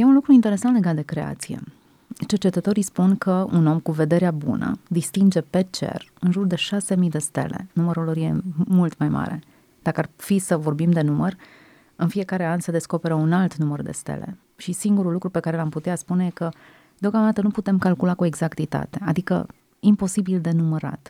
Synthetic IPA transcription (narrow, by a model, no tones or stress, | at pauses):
je̞unlukɾuint̪e̞ɾe̞sant̪le̞ɡat̪d̪e̞kɾe̞a̰t̪sijḛ | t͡ʃe̞rt͡ʃe̞t̪ət̪o̞ɾijspunkʰəuno̞mkuve̞d̪e̞ɾeabṵnə̰d̪ist̪ind͡ʒe̞pe̞t͡ʃe̞̰rɨnʒurd̪e̞ʃase̞mid̪e̞st̪e̞̰le̞̰numəɾuloɾje̞mult̪majma̰ɾe̞̰ | d̪̥akəarfisəvo̞rbimd̪e̞numər | ɨnfie̞kaɾe̞anse̞d̪e̞sko̞pe̞ɾəunalt̪numərd̪e̞̰st̪ḛle̞̰ | ʃisiŋɡuɾulːukɾupekaɾe̞lamput̪easpunejekə | d̪eo̞kamd̪at̪ənuput̪e̞mkalkulakue̞ɡzakt̪it̪a̰t̪e̞ad̪ikə̰ | impo̞sibild̪e̞numəɾa̰t̪